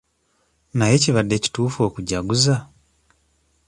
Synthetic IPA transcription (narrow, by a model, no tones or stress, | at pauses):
naje̞ciβadːe̞ci̥tuːfo̞ːkuɟaɡuza